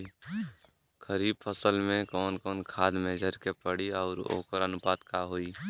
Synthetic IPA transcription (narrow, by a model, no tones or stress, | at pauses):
kʰəɾiːbpʰəsəlmẽkɔːnkɔːnkʰaːd̪meːd͡ʒəɾkepəɽiɔːɾo̰ːkəɾənʊpaːt̪kaːɦoːi